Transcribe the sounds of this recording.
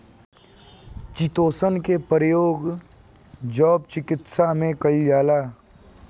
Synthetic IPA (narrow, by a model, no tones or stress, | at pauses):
t͡ʃit̪oːsənkepəɾjoːɡ | d͡ʒɔːb̚t͡ʃɪkɪt̪samẽkɐid͡ʒaːlaː